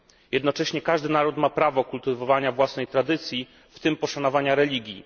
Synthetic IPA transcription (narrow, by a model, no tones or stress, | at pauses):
jɛd̪nɔt͡ʂɛɕɲɛkaʐd̪ɘnaɾut̪mapɾavɔkult̪ɘvɔvaɲavwasnɛjt̪ɾad̪ɘt̪sʲji | ft̪ɘmpɔʂanɔvaɲaɾɛlʲiɡʲji